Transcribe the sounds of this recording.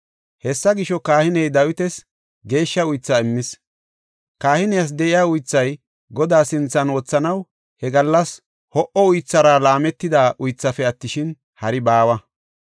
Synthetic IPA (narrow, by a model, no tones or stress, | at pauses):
hɛsːɐɡɪʃɔkaːhɪnɛjd̪ɐwɪt̪ɛs | ɡe̞ːʃːɐʊjt͡sːɐɪmːɪs | kaːhɪnɛjas̬d̪ɛʔɪjaːʊjt͡sːɐj | ɡɔd̪aːsɪnt͡sːɐnwɔt͡sːɐnɐw | hɛɡɐlːɐs | hɔʔɔʊjt͡sːɐɾaːlaːmɛt̪ːɪd̪aːʔʊjt͡sːɐfɛɐt̪ːɪʃɪn | hɐɾɪbaːwɐ